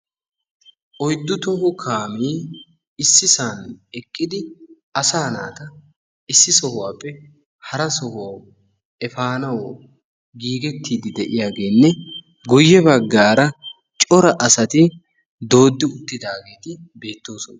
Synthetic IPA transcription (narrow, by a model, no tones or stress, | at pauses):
ʔɔjd̪ːʊt̪ɔhʊkʰaːmiː | ɪsːɪsaːnɛkʼːɪd̪ɪ | ɐsaːna̰ːt̪ɐ | ɪsːɪsɔhʊwaːpːɛ | hɐɾɐsɔhʊwa | ɛfaːnɐw | ɡiːɡɛt̪ːiːd̪ɪd̪ɛʔɪjaːɡeːnːɛ | ɡɔjːɛbɐɡːaːɾɐ | t͡ʃʼɔɾɐʔɐsɐt̪ɪ | d̪o̞ːd̪ːɪʊt̪ːɪd̪aːɡe̞ːt̪ɪbe̞ːt̪ːo̞ːsɔnɐ